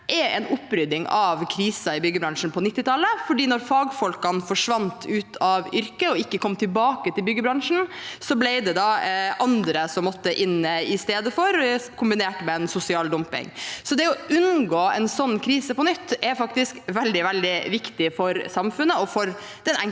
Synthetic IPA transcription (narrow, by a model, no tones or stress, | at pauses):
ʔɛɛnʊpːɾʏd̪ɪŋɑʋkʰɾiːsɑɪbʏɡəbɾɑŋʂɳ̩pʰɔnɪt̪ːɪt̪ʰɑləfɔɖiːnɔɾfɑːɡfɔlkɑnfɔʂʋɑnt̪ʰʉːt̪ʰɑʋʏɾkəɔɪkːəkʰɔmːt̪ʰɪlbɑːkət̪ɪlbʏɡəbɾɑŋʂn̩sɔblɛɪd̪ɛd̪ɑʔɑnd̪ɾəsɔmːɔt̪ːəʔɪnːəɪst̪eːd̪əfɔɾkʰʊmbɪneːʈmɛɛnsʊsɪɑːld̪ɔmpɪ̰ŋsɔd̪ɛɔʔʉnɡoːɛnsɔnːkʰɾiːsəpɔnʏt̪ːɛɾfɑk̚t̪ɪskʋɛld̪ɪʋɛld̪ɪʋɪkt̪ɪfɔɾsɑmfʉnːəɔfɔɾ | d̪̥ɛnɛŋ